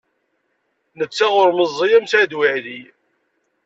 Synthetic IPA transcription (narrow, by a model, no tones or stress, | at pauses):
nət͡sːaʁʊɾməzˤːijæmsæd̪wɪʕði